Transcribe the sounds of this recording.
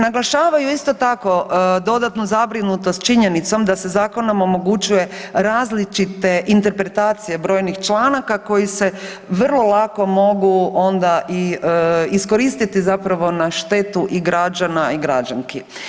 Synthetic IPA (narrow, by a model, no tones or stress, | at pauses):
naɡlaʃaːʋajuist̪o̞t̪ako̞d̪o̞d̪at̪nuzabɾinut̪ost̪̚t͡ʃiɲenit̪so̞md̪ase̞zaːko̞nomomo̞ɡut͡ʃuje̞ɾaːzlit͡ʃit̪e̞ʔint̪e̞ɾpɾe̞t̪aːt̪sije̞bɾo̞ːjnixt͡ʃlˠaːnakako̞jise̞ | ʋrlˠo̞lˠako̞mo̞ɡuo̞nd̪aʔi | isko̞ɾist̪it̪izapɾaʋo̞naʃt̪e̞t̪uʔiɡɾad͡ʒanaiɡɾad͡ʒaŋki